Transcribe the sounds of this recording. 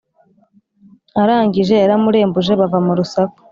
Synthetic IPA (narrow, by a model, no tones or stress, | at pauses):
aɾaːŋɡiʒe̞ːɾamuɾe̞ːmbuʒe̞βavamuɾusako̥